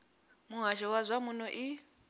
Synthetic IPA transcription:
muɦaʃɔwazʷamunɔʔi

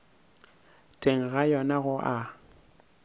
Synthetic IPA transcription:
tʼeŋ̩ɣajɔnaɣʊʔa

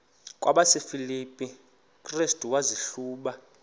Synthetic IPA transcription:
kʼwʔaɓasefilipʼi | kʼristʼuwaziɬuːɓa

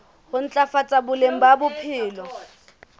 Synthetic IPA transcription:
hʊn̩t͡ɬʼafat͡sʼabʊlem̩babʊpʰɪːlɔ

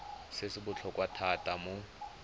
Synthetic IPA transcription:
sɪsɪbʊt͡ɬʰɔkwatʰatʼamʊ

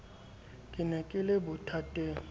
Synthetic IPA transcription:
kʼɪnɛkʼɪlɪbʊtʰatʼe

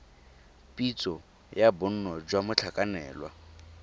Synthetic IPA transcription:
pʼit͡sʼɔ | jabʊn̩nɔd͡ʒwamʊt͡ɬʰakʼanɛ̰ːlwa̰

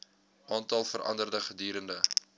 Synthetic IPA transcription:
ʔɑːntɑlˠfəɾʔɐ̰ndərdəχədiːɾəndə

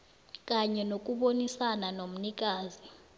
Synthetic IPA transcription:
k̬ʼaɲɛnok̬ʼuɓonisananom̩nik̬ʼaːzi

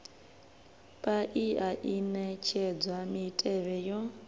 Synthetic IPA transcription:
pʼaʔiaʔinɛt͡ʃʰɛd͡zwamitʼɛβɛjɔ

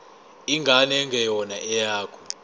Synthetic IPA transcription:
iŋɡʱanɛŋɡʱɛjɔnaʔɛjaːkʰɔ̥

